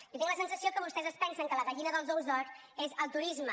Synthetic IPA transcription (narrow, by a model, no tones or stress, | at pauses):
ot̪iŋləsənsəsiokəβust̪ɛzəspɛnsəŋkələβəʎinəðəlˠzowzðɔɾ | ezəlˠt̪uɾizmə